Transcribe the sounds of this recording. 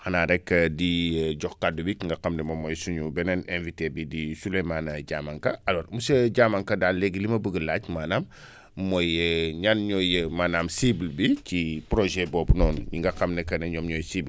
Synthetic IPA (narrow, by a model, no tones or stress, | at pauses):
hanaɾɛkːɐdiɟɔxkadːubiŋɡɐqɐmdɛmomɔjsuɲubɛnɛnẽnvitebidisulemaːnɐɟaːmaŋkɐalɔːɾmusɐɟaːmaŋkɐdaːnleɡilimɐbəɡəlaːcmaːnamː | ojɲanɲɔjəmaːnaːmsiblbicipɾoʒɛbɔːbnɔːnɲiŋɡɐqɐmnɛkɐnɐɲɔːmɲɔjsibl